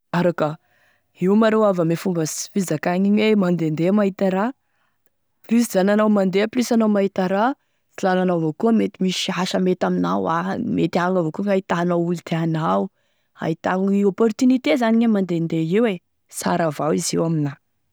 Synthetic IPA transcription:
aɾakə | iumaɾewavəmefumbəsfizakaɲiɲwemand̪end̪emaɦit̪aɾa | plis̬zananawmand̪eplisanawmaɦit̪aɾa | t͡silananavokuəmet̪imisaʃəmet̪aminawa̰met̪iaŋavokuŋait̪aɦanawulit̪ʰeanaw | a̰it̪aiopɔrt̪unit̪ezaniɲemand̪end̪eiwe | sa̰ɾavawiziwamina

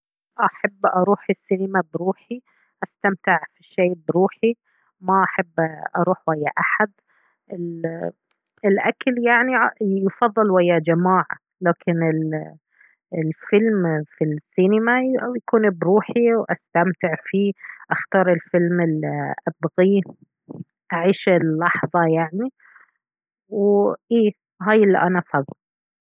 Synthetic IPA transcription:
ʔaħabːʔɑɾˤuːħɪsːɪnɪmabɾuːħi | ʔast̪amt̪ɪʕfiʃeːbɾuːħi | maʔaħabːʔɑ̰ɾuːħwajːaʔaħad̪̚ | ʔɪl | ɪlʔakaljaʕnijɪfɑðˤːɨlwajːad͡ʒamaːʕa̰ | laːkʰɪnɪl | ɪlfɪlmfisːinɪmajakuːnbɾuːħiwʔa̰st̪amt̪ɪʕfiːʔaxt̪ɑːɾˤɪlfɪlmɪlʔabɣi | ʔaʕiːʃɪlːɑħðˤɑjaʕni | wʔiː | ɦaːjɪlːḭʔanafɑðˤːl

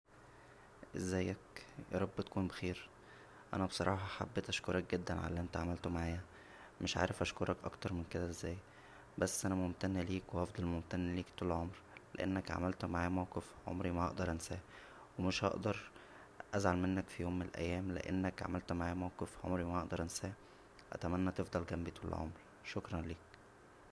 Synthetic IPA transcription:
ʔezːæːjːækjɑ̰ɾˤɑbːt̪kuːnbexeːɾ | ʔæ̰næbsˤɑɾˤɑːħɑħa̰bːet̪ʔæʃkoɾˤɑk̚ɡed̪ːænʕa̰læʔent̪æʕamælt̪omaʕaːjæ | meʃʕa̰ːɾefʔæʃkoɾˤɑkʔɑ̰kt̪ɑɾˤmenked̪æʔezːæːj | bæsːʔænæmomt̪ænːæliːkweʔɑfd̪ˤɑlmomt̪ænːæliːkt̪uːlʕomɾ | lḛʔḛnːækʕa̰mælt̪maʕaːjæmæwqefʕo̰mɾimæhɑ̰ʔd̪ɑɾˤʔænsæː | wemeʃhɑ̰ʔd̪ɑɾˤ | ʔæzʕalmenːækfijoːmːenelʔæ̰jːæːmlḛʔḛnːækʕa̰mælt̪maʕaːjmæwqefʕo̰mɾimæhɑʔd̪ɑɾˤʔænsæː | ʔæ̰t̪æmænːæt̪efd̪ˤɑlɡæmbit̪ʰuːl̰ʕo̰mɾ | ʃokɾˤɑnliːk

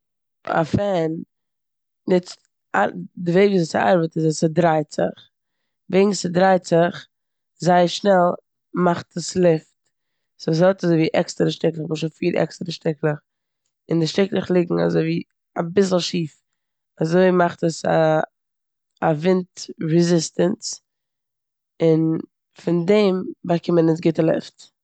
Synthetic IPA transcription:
a̰fɛn | nɪt͡st | a̰dɪveɪɡviːzsɪa̰ɾbətɪzasɪdɾaɪt͡sɪχ | veɪɡŋ̩sɪdɾaɪtt͡sɪχ | zaɪəɾʃnɛlˠ | maχtəslˠɪft | suːsɔtazoɪviːʔɛkstəɾəʃtɪklˠəχmʊʃ̬ʊnfiːɾʔɛ̰kstəɾəʃtɪklˠəχ | ɪndɪʃtɪklˠəχlˠɪɡŋ̩a̰zoɪviː | abɪs̬l̩ˠʃiːf | azoɪmaχtəsa̰ | avɪntɾɛzɪstənt | ɪn | fɪndɛmbakɪmənːɪt̬ɡɪtəlˠɪ̰ft

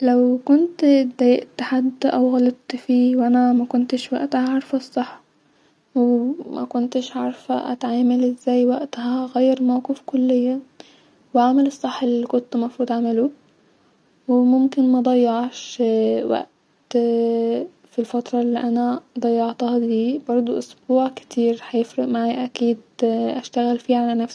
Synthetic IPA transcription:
lawkʊnt̪d̪æjeʔt̪ːaħad̪ʔæ̰wɣælɑt̪fiːwʔænæmækʊnt̪ɪʃwa̰ʔt̪hæʕɑɾˤfɑsˤːɑħ | wemʔæ̰kʊnt̪ɪʃʕɑɾˤfa̰ʔæ̰t̪ʕaːmalʔɪzːæːjwaʔt̪hæɣæjːɑɾˤmawquːfkʊlːɪjːa | wʕamalɨsˤːɑħːelːikot̪ːmɑfɾuːd̪ʕamɪlu | wemʊmkɪnmɑd̪ˤɑjːɑʕʃwæ̰ʔ̪t̪t̪ | filfɑt̪ɾˤɑʔlːiʔænæd̪ˤɑjːɑʕt̪ɑhɑd̪iːbɑɾˤd̪ˤoʔʊsb̥uːʕkɪ̥t̪ʰiːɾħajɪfɾɪʔmaʕaːjʔækiːd̪ʔæʃt̪æɣalfiːʕalænæfs

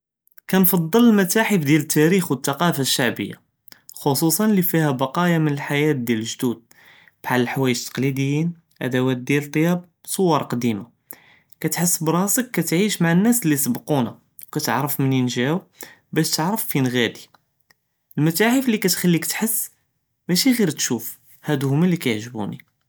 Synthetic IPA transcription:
kænfɑd̪ˤːələlmæt̪aħəfd̪jælət̪ːæɾixwət̪ːɑqɑfaʃːaʕbə̰jːa̰ | xosˤusˤɑnlifihæbɑqɑjamənəlħajæt̪̚d̪jæləʒd̪ud̪̥̚ | b̥ħadəlħwæjəʒt̪ːɑ̥qlid̪əjːin | ʔæ̰d̪æwæt̪̚d̪jælt̪ˤːjæb̚ | sˤowɑɾˤqɑd̪ima | kæt̪ħəsːbɾˤɑsəkːæt̪ʕiʃmaʕənːæslːisˤbqunæ | wkæt̪əʕɾəfmənjənʒæw | bæʃt̪əʕɾəffinɣæd̪i̥ | əlmæt̪æħəflikæt̪xælːikt̪ħəsː | mæʃiɣiɾt̪ʃuf | hæd̪hʊmælːikæjəʕʒbṵnḭ

